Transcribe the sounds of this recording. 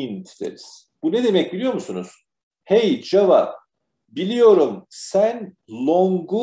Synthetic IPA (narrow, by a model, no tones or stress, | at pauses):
int̪ʰd̪eɾiz̥ | b̥uned̪e̞mɛc̚bilʲijo̞ɾmusunuz̥ | hejd͡ʒavap̚ | bilʲijo̞ɾumsæn | lˠoŋɡu